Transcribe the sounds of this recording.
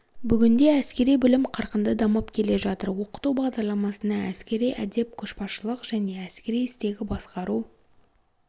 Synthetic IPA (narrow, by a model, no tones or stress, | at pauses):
bʏɡʲɪnd̪e̞æskʲe̞ɾijbʏlɪmqʰɑɾqənd̪əd̪ɑmɑpkʲʰe̞le̞ʒɑt̪əɾwo̞qə̥t̪ubɑʁd̪ɑɾlˠɑmɑsənɑæskʲe̞ɾijʔæd̪e̞p̚kʲʰʏʃpɑʃəlˠəqʒ̥æne̞æskʲe̞ɾijɪst̪e̞ɡʲɪbɑsqɑɾu